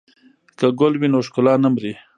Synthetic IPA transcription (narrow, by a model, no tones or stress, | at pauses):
kaɡʊlwinoʃkʊlɑnamɾi